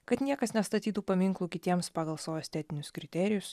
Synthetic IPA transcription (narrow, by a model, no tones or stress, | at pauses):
kɐt̪nʲiɛkɐsnʲɛst̪ɐt̪ʲiːt̪uːpɐmʲɪŋklˠuːkʲɪt̪ʲiɛmspɑːɡɐlˠsoːosʲt̪ʲɛːt̪ʲɪnʲʊskɾʲɪt̪ʲɛɾʲɪjʊs